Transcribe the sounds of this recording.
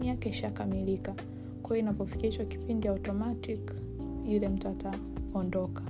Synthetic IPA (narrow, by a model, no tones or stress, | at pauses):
ijakɛiʃakamilika | kwajɔinapɔfi̥kihit͡ʃɔki̥pindijautɔmatik | ilɛm̩tata | ɔndɔkḁ